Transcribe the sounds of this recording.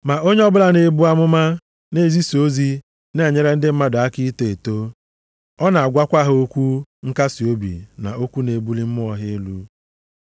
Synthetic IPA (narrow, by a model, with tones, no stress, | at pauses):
ma˨o˦ɲe˦ɔ˦bʊ˦la˨ne˨bu˦a˦mʊ˦ma˦ | ne˦zi˦so˦zi˦ | ne˦˨ɲe˦ɾe˦n̩˦dɪ˦m̩˦ma˦dʊ˨a˦ki˦te˨e˨to˦ | ɔ˦na˨a˨ɡʷa˦kʷa˦ɦo˦kʷu˦ŋ̩˦ka˦si˨o˦bḭ˨na̰˨o˦kʷu˦ne˨bu˦li˦m̩˦m˦ɔ˦ɦɪ˦lu˦